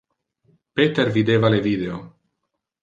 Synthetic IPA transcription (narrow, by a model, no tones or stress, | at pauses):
pet̪eɾvid̪evalevid̪eo